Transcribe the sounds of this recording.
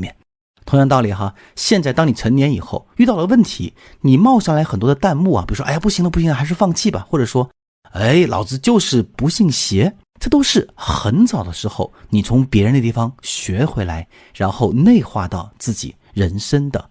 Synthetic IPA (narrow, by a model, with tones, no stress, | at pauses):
mjɛ̰˥˩n | t̪ʰʊ˧˥ŋjɑ˥˧ŋt̪ɑ˥˩ʊli˨˩xa˧ | ɕjɛ˥˧nt͡sa˥˩ɪt̪ɑ˥ŋni˨˩ʈ͡ʂʰə˧˥njɛ˧˥ni˨˩xo˥˧ʊy˥˧t̪ɑ˥˩ʊlə˩wə˥˩nt̪ʰi˧˥ | ni˨˩mɑ˥˧ʊɕʂɑ˥˩ŋla˧˥ɪxə˨˩nt̪wɔ˥d̪ə˧t̪a˥˧nmṵ˥˩i˨˩u˧˥ʂwa˧pu˥˩ɕi˧˥ŋd̪pu˥˩ɕi˧˥ŋd̪ə˧xa˧˥ɪʂɻ̩˥˧fɑ˥˧ŋt͡ɕʰi˥˩bɐ̰˩xwɔ˥˩ʈ͡ʂɤ˨˩ʂwɔ˥ | e˥˩ɪlɑ̰˨˩ʊt͡sɹ̩˧t͡ɕjo˥˧ʊʂɻ̩˥˩pu˧˥ɕi˥˩ŋɕjɛ˧˥ | ʈ͡ʂɤ˥˩t̪o˥ʊʂɻ̩˥˩xə˧˥nt͡sɑ˨˩ʊd̪ə˦ʂɻ̩˧˥xo˥˧ʊni˨˩t͡sʰʊ˧˥ŋpjɛ˧˥ɻnd̪ə˧t̪i˥˩fɑ˧˩ŋɕɥɛ˧˥xwe˧˥ɪla˧˥ɪ | ɻa˧˥nxo˥˧ʊne˥˧ɪxwa̰˥˧t̪ɑ˥˧ʊt͡sɹ̩˥˩t͡ɕḭ˨˩˦ | ɻə˧˥nʂə˥nd̪ə˨